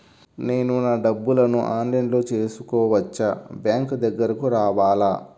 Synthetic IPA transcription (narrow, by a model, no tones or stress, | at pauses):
ne̞ːnunɐɖɐbːulɐnuʔaːnlɐjnlo̞ːt͡ʃe̞ːsukɔːʋɐt͡ʃːɐbjaːŋkd̪ɐɡːɐɾɐkuɾaːʋaːlaː